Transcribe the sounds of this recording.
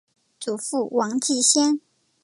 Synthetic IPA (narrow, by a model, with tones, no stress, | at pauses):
t͡su˨˩fu˥˩wɑ˧˥ŋt͡ɕi˥˩ɕjɛ˥n